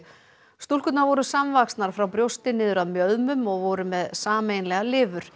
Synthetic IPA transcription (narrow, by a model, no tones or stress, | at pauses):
st̪ul̥kʏt̪naɾvɔɾʏsamvakst̪naɾ̥fɾawpɾjowst̪ɪnɪːðʏɾaðmjœðmʏmɔɣvɔɾʏmɛðsaːmejnlɛɣalɪːvʏɾ̥